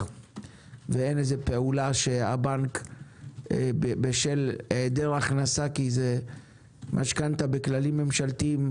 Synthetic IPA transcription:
veenezepe̞ulaʃea̰baŋk | bebeʃeled̪eʁaχnasakize | mʔa̰ʃkant̪abe̞klalimːe̞mʃalt̪im

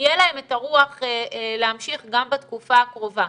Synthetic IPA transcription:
jelahe̞metaʁuaχeleamʃiχɡambatkufaːkʁo̞va

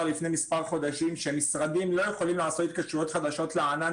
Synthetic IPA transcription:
lifne̞mispaʁχo̞d̪aʃimʃemisʁad̪imlo̞jeχo̞limlaːso̞t̪it̪kaʃujo̞t̪χad̪aʃo̞t̪leana

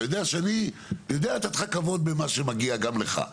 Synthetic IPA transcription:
jod̪eaʃeani | jod̪eaet̪at̪χakavo̞d̪̚bemaʃemaɡiaɡamleχa̰

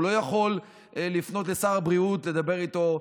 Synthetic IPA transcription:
lo̞jaχo̞lː | ifno̞tlesaʁabʁiutle̞d̪abe̞ʁit̪o̞

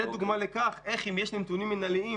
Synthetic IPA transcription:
ed̪uɡmalekaχʔe̞χimjeʃnimt̪unimːenalii

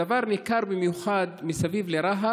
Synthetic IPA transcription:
avaɾnikaɾbimjuxad̪misavivleɾaɦa

